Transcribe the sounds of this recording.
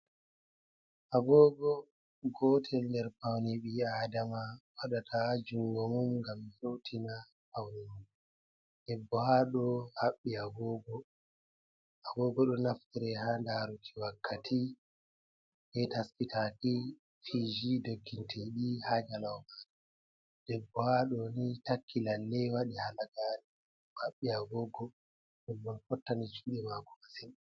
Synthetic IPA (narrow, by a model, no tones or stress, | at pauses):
ʔaɡɔːɡɔ | ɡɔːtʰɛlndɛɾpawniɓiaːdamawaɗatʰad͡ʒuŋɡɔmumŋɡamsowtʰina | pawnimum | ʔɛbːɔhaːɗɔhaɓːiaɡɔːɡɔ | ʔaɡɔɡɔɗɔnaftiɾɛhaːndaɾutʰi̥wakʰːatʰi | ɓɛtaskitʰaki | fid͡ʒidoɡːintʰɛɗihad͡ʒalawmaɾɛ | d̥ɛbːɔhaɗɔnitakʰːilalːɛwaɗihalaɡaːni | haɓːiaɡɔːɡɔ | ɗɛbːɔnfɔtːanid͡ʒuːɗɛmaɡɔmasin